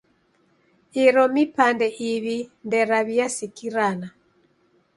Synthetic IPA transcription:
iɾɔmipandɛʔiβindɛɾaβijasikiɾana

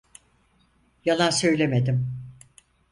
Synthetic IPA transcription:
jalˠansøjlʲemed̪ɪm

